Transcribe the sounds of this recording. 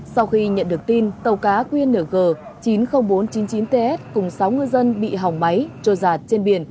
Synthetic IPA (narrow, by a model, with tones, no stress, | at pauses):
sa˧wxi˧ɲə̰˧˨nɗɨ˨˩ək̚t̪i˧nt̪ə˨˩wkaː˨˦kwi˧ənːəː˧˩ɣəː˨˩t͡ɕi˨˦nxə˧wŋ͡mɓo˨˦nt͡ɕi˨˦nt͡ɕi˨˦nt̪e˧ʔɛ˦˥t̚kʊ˨˩ŋ͡msa˨˦wŋɨ˧əjzə˧nɓḭ˧˨ɦa˨˩wŋ͡mma˨˦jt͡ɕo˧˩zaː˨˩t̚t͡ɕe˧nɓi˧˩ən